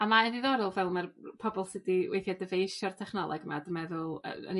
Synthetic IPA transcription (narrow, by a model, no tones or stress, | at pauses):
amaɛðɪðɔɾɔlˠvɛlˠmarpʰɔbɔlˠsɪdiwḛjθjadəvejʃɔr̥tʰɛχnɔlˠɔ̰ɡma̰dəmɛðʊlˠə̰ə̰n